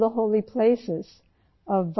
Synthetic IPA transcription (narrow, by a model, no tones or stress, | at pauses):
ðəɦoʊlˠipʰl̥eɪsɪz̥ | ʌvː